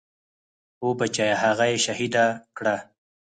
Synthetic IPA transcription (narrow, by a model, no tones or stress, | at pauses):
obat͡ʃajahaɣajeʃahid̪akɽa